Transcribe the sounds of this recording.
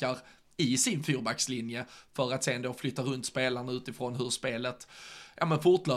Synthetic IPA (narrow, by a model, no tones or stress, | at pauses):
aɾ | ɪsɪnfuːɾbakslɪnjəfœɾat̪seːnd̪oːflʏt̪ːaɾɵnt̪speːlaɳaʉ̟ːt̪ɪfɾɔnɦɵɾʂpeːlət̪ja̰mənfʊʈlœː